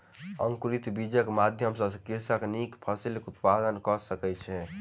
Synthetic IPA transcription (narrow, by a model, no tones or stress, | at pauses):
əŋkuɾit̪bid͡ʒəkmad̪ʱjəmsə̃skiɾsaknikpʰəsilkut̪pad̪ənkɔsəkɛt͡ʃʰɛ